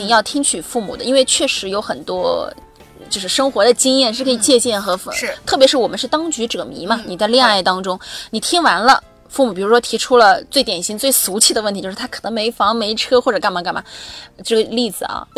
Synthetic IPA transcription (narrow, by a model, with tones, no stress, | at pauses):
i˨˩ŋjɑ˥˩ʊt̪ʰi˥ŋt͡ɕʰy˨˩fu˥˩mṵ˨˩d̪ə˦i˥nwe˥˧ɪt͡ɕʰɥɛ˥˩ʂɻ̩˧˥jo˧˥ʊxə˨˩nt̪wɔ˥ | t͡ɕjo˥˧ʊʂɻ̩˥˩ʂɤ˥ŋxwɔ˧˥d̪ə˧t͡ɕi˥ŋjɛ˥˧nʂ̬ɻ̩˥˩kʰɤ˧˥˨t͡ɕjɛ˥˧t͡ɕjɛ˥˩nxɤ˧˥fə˧˥t̪ʰɤ˥˩pjɛ˧˥ʂɻ̩˥˩wɔ˨˩mə˦ʂɻ̩˥˩t̪ɑ˥ŋt͡ɕy˧˥ʈ͡ʂɤ˥˩ɡə˩mḭ˧˥mɐ˧ni˨˩t͡sa˥˧ɪljɛ˥˧ŋa˥˩ɪt̪ɑ˥ŋʈ͡ʂʊ˥ŋni˨˩t̪ʰi˥ŋwa˧˥nlə̰˧ | fu˥˩mu˨˩pi˨˩ɻu˧˥ʂwɔ˥t̪ʰi˧˥ʈ͡ʂʰu˥lə˨t͡swe˥˩ɪt̪jɛ˨˩nɕi˧˥ŋt͡swe˥˩ɪsu˧˥t͡ɕʰi˥˩d̪ə˩wt̪ʰi˧˥jʂɻ̩ʰ˥˩a˥ɤ˨˩nɤ˧˥me˧˥ɪfɑ˧˥ŋme˧˥ɪʈ͡ʂʰɤ˥xwɔ˥˩ʈ͡ʂɤ˨˩ka˥˩nm˧˩ŋka˥˩ma˨˩ʈ͡ʂɤ˥˩ɡə˩li˥˩d͡zɹ̩˨˩ɐ̰˧˩